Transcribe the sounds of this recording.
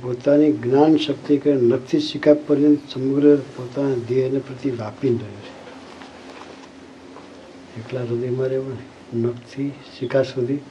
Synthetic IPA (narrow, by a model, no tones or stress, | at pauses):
pot̪aniɡnanʃək̚t̪ikenək̚t̪ʰiʃikʰapːəɾjənsəməɡɾəpot̪anad̪eɦnepɾət̪iʋapinɾəɦut͡ʃʰe̥ | eklaɾəd̪əjmaɾepəɳ | nəkt̪ʰiʃikʰasud̪ʱi